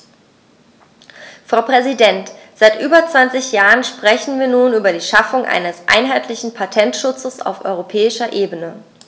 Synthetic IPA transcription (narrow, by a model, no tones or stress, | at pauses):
fʁ̥aʊpʁ̥ɛzidɛnt | z̥aɪtʔyːbɐt͡sv̥ant͡sɪçjaːʁənʃpʁ̥ɛçn̩viːɐnuːnyːbɐɾiːʃafʊŋʔa̰ɪnəsʔa̰ɪnɦaɪtʰlɪçn̩pʰatʰɛntʃʊt͡səsa̰ʊfʔɔ̰ʏʁopʰɛːɪʃɐʔeːbənə